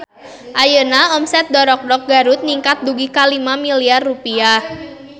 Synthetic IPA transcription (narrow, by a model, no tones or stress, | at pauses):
ʔajənaɔmsɛt̪̚dɔɾɔk̚dɔk̚ɡaɾut̪̚niŋkat̪̚duɡikalimamiliarːupiah